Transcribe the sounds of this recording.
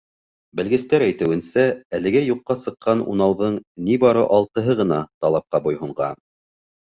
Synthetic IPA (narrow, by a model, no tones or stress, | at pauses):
bɘ̆lɡɘ̆st̪æɾæjt̪ɘ̆wɘ̆nsæælɘ̆ɡæjuqːɑsɤ̆qːɑnṵnɑwðɤɴnibɑɾɤʔɑlˠt̪ɤ̆ɦɤʁɤ̆nɑt̪ɑlˠɑp̚qɑbujɦuɴʁɑ